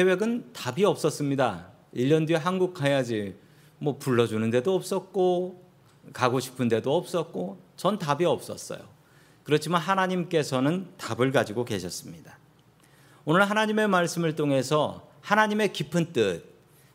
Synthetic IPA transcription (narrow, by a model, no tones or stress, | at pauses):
e̞we̞ɡɯntabiʌp̚s͈ʌs͈ɯmɲida | iʎːʌndɥiɦanɡuk̚ʰajad͡ʑi | mwʌpuɭːʌd͡ʑunɯnde̞doʌp̚s͈ʌt̚k͈o | kaɡoɕʰi̥pʰɯnde̞doʌp̚s͈ʌt̚k͈ot͡ɕʌntabiʌp̚s͈ʌs͈ʌ̰jo̰ | kɯɾʌt͡ɕʰimanɦanaɲimk͈e̞sʰʌnɯntabɯɭɡad͡ʑiɡoke̞ɕʰʌs͈ɯmɲida | onɯɭɦanaɲime̞maɭs͈ɯmɯɭtʰoŋe̞sʰʌhanaɲime̞kipʰɯnt͈ɯt̚